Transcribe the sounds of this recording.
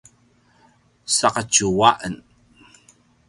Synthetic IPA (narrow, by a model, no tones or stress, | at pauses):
saqət͡ʃuwaʔən